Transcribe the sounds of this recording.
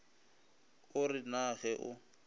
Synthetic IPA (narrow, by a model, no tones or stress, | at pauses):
ʊrɪnaɣɛʔʊ̰